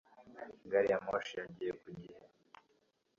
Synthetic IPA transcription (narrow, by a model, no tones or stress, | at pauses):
ɡaɾijamoʃijaɟijekuɟiha